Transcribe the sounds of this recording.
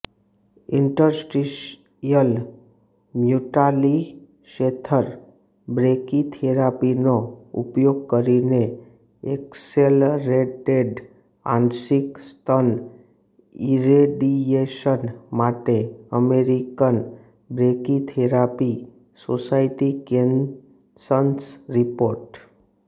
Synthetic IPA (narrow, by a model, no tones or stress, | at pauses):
ɪ̃ɳʈəɾsʈiʃ | jəl | mjuʈali | ʃet̪ʰəɾ | bɾekit̪ʰeɾapinoʊ̰pjoɡ̚kəɾine | ekselɾeʈeɖ | ã̰nsɪkst̪ʰən | iɾeɖieʃənmaʈeəmeɾikən | bɾekit̪ʰeɾapi | sosaɪʈikẽn | sənsɾipoːɾʈ